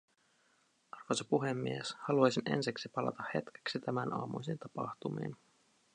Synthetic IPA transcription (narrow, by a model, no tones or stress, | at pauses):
ʔɑrfɑsɑpuɦemːieshɑluɑjsinḛnsiksipɑlɑ̰t̪ɑhhe̞t̪ke̥ksit̪æmænʔɑ̰ːmṵjsint̪ɑpɑ̰ht̪umḭːn